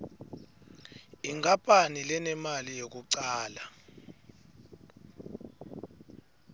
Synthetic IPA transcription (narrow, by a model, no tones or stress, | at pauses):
iŋapʼanilɛnɛmalijek̬uǀaːla